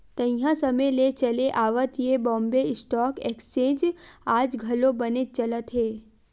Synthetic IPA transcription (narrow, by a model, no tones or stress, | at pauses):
t̪ə̃jãsəmelet͡ʃəleʔaːʋət̪jebɔ̃mbeɪsʈɔkekst͡ʃẽːd͡ʒaːd͡ʒɡʱəlobənet̪̚t͡ʃələt̪ɦe